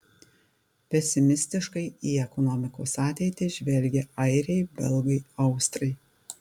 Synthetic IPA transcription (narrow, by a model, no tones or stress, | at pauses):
pʲɛsʲɪmʲɪsʲt̪ʲɪʃkɐɪiːɛkɔnɔmʲɪkoːsɑːt̪ʲɛɪt̪ʲɪʒʲʋʲɛlʲɡʲɛɐɪɾʲɛɪbʲɛlˠɡɐɪɐʊst̪ɾɐɪ